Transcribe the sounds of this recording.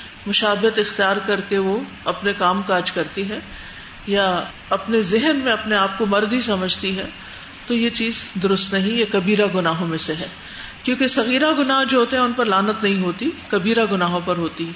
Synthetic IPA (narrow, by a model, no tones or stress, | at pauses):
mʊʃaːbɪət̪ɪxt̪ijaːɾkɐɾkeʋo | ɐpnekaːmkaɐt͡ʃkɐɾt̪iɦɛː | ja | ɐpnezɪɦənmẽɐpneaːp̚komɐɾd̪ɦisɐməd͡ʒʱt̪iɦɛː | t̪ojet͡ʃiːzd̪ʊɾʊst̪nɐɦĩjakɐbiːɾaɡʊnaːɦõmẽseɦɛː | kjõːkesɐɣiːɾaɡʊnaːɦd͡ʒoːɦoːt̪eɦɛ̃ʊnpɐɾlaːnət̪nɐɦĩɦoːt̪ikɐbiːɾaɡʊnaːɦõpɐɾɦoːt̪iɦɛ